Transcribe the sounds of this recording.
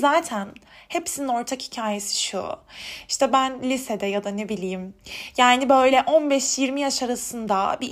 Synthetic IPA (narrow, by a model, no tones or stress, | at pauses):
zaːt̪ʰænhepsinino̞ɾt̪ʰakhi̥cʰaːje̞si̥ʃṵiʃt̪ʰɛbænlʲisɛd̪ɛjad̪anebilʲiːmjaːnibø̞jlʲɛʔo̞nbɛʃjiɾmijaʃaɾasɯnd̪a̰bi